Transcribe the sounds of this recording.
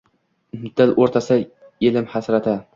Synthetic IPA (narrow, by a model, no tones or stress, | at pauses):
mʊd̪ɪlʔoɾt̪ʰasɪ | elɪmhasɾat̪ʰa